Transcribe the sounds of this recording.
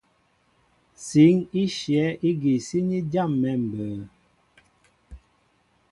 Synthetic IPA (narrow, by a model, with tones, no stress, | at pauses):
si˨˦ŋi˦ʃjɛ˨˦ʔi˦ɡi˨si˦ɲi˦da˦˨mːɛ˨m̩˨bəː˨˦